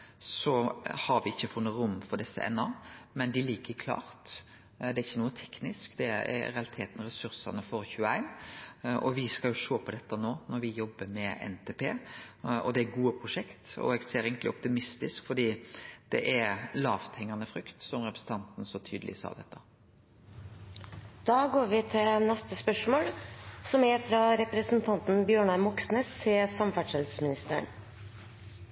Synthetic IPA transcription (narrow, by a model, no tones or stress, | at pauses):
sɔhɑɾʋɪɪçːəfʊnːəɾʊmfɔɾd̪ɛsːə̰ʔɛ̰nːɑmɛnd̪ɪliːkəɾkʰlɑ̰ːɾt̪ | d̪ɛæɾɪçːənuːət̪ʰɛknɪskd̪ɛɛ̰ɾɛɑlɪt̪ʰeːt̪nɾɛsʉɾsɑnəfɔɾçʉːəæɪnʔɔʋɪskɑljʊʃoːpʰɔd̪ɛt̪ːənoːnɔɾʋɪjɔbːəmɛɛ̰nt̪ʰeːpʰḛːʔɔ̰d̪ɛæɾɡuːəpʰɾʊʂɛkt̪ɔ̰ɛɡseːɾeːɡənt̪lɪɔp̚t̪ɪmɪst̪ɪskfɔɖiːd̪̥ɛ̰ʔæɾlɑ̰ːʋt̪ʰhɛŋːɑnəfɾʏkt̪sɔmɾɛpɾə̥sn̩t̪ɑnt̪n̩sɔt̪ʰy̰ːd̪əlʔɪ̰sɑ̰ːd̪ɛ̰t̪ʰːə | d̪̥ɑːɡoːɾʋɪt̪ʰɪlnɛst̪əspœʂmoːlsɔmæɾfɾɑɾɛpɾəsnt̪ʰɑnt̪n̩bjøːɳɑmɔksneːst̪ʰɪlsɑmfæʈʰɛt̪lsmɪnɪst̪əə̰ɳ